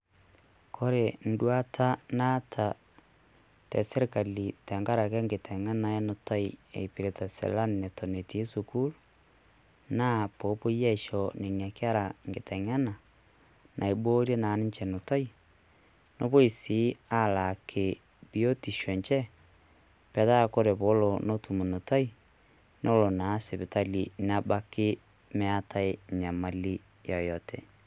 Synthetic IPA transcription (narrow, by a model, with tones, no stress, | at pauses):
kʰo˦ɾe˨n̩˦dwa˦tʰa˦na˦tʰa˨ | tɛ̰˨se˦ɾka˨li˨tɛ˨ŋɡa˦ɾa˨kɛ˦ŋɡe˨tʰɛ˨ŋa˦na˨ɛ˦no˨ta˦i˨ḛ˨i˨pi˨ɾe˨ta˨sḛ˨la˦nːe˨to˨ne˨ti˨˦su˨ku˦l | na˦po˨˦po˦jɛ˦ʃo˨ne˨nja˨ke˦a˦ɾa˨ŋɡe˨tɛ˨ŋa˦na˨ | nʔa˨e˨bo˦ɾje˦na˨˦ni˦ɲt͡ʃɛ˨no˨ta˦i˦ | no˦βo˦i˨si˨˦a˦˨la˨kʰe˨ | bi˨˦o˦ti˨ʃwɛ˨ɲt͡ʃɛ˦ | pɛ˨ða˦˨ko˦ɾe˨βo˨˦lo˨no˦tu˨mu˨no˨ta˦i˦ | nʔo˦lo˨na˨˦se˨βe˨ta˦li˨na˦ba˦kɪ˦ | me˦a˦ta˦e˦ɲa˨ma˨li˦ | ja˨jɔ˨tḛ˨